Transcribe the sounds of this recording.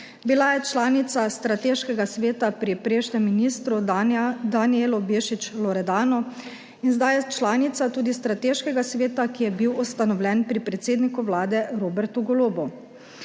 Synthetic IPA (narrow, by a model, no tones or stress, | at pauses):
bilajɛt͡ʃlaːnit̪sast̪ɾat̪eːʃkɛɡasʋeːt̪apɾipɾeːʃnɛmːiniːst̪ɾud̪anielɔbeːʃit͡ʃlɔɾɛd̪aːnɔ | inzd̪ajɛt͡ʃlaːnit̪sat̪uːd̪ist̪ɾat̪eːʃkɛɡasʋeːt̪akijɛbiwɔst̪anɔwlʲɛnpɾipɾɛt̪seːd̪nikuʋlaːd̪ɛɾoːbɛɾt̪uɡɔloːbɔ